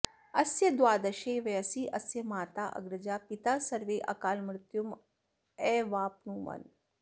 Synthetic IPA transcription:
ɐsjɐd̪waːd̪ɐʃeːʋɐjɐsiːʔɐsjɐmaːt̪aːʔɐ̰ɡɾɐd͡ʒaːpit̪aːsɐɾʋeːʔɐ̰kaːlmɾɪt̪jum | ɛːʋaːp̚nuːʋɐ̰n

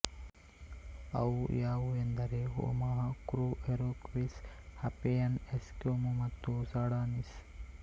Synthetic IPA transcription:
ɐ̰wjaːʋuend̪ɐɾeɦo̰maɦɐkɾuːeɾoːkʋishɐpejɐneskjoːmumɐt̪ːusaːɽaːnis

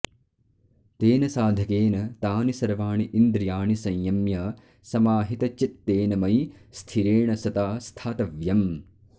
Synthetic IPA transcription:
t̪eːnɐsaːd̪ʱɐkeːnɐt̪aːnisɐɾʋaːɳiʔind̪ɾjaːɳisɐ̃jjɐmjɐ | sɐmaːɦit̪ɐt͡ʃit̪ːeːnɐmɐjst̪ʰiɾeːɳɐsɐt̪aːst̪ʰaːt̪ɐʋjɐm

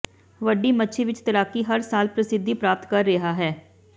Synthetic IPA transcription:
ʋəɖiːmətːʃʰiʋɪt͡ʃt̪əɾaːkiːɦəɾsaːlpɾəsɪd̪ʱːiːpɾaːp̚t̪kəɾːeɦaːɦɛː

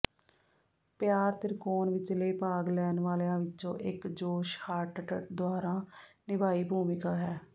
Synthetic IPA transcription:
pjaːɾt̪ɪɾkoːnʋɪt͡ʃleːpaːɡlɛːnʋaːlejãːʋɪt͡ʃõːʔɪkd͡ʒoːʃhaːʈʈəd̪ʊaːɾãːnɪbaːiːbʱuːmɪkaːɦɛː

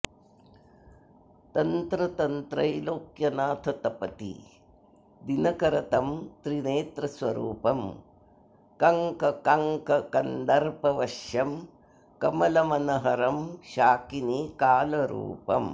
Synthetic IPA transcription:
t̪ɐnt̪ɾɐt̪ɐnt̪ɾɐjloːkjɐnaːt̪ʰɐt̪ɐpɐt̪ḭ | d̪inɐkɐɾɐt̪ɐmt̪ɾineːt̪ɾɐsʋɐɾṵːpɐm | kɐŋkɐkɐŋkɐkɐnd̪ɐɾpɐʋɐʃjɐm | kɐmɐlɐmɐnɐɦɐɾɐmʃaːkinikaːlɐɾṵːpɐ̰m

